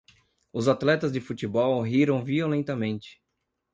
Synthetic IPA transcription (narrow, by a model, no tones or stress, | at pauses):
ʊzat̪lɛt̪ɐzd͡ʒɪfut͡ʃɪbɔwɦiɾɐ̃w̃violẽnt̪ɐmẽnt͡ʃɪ̥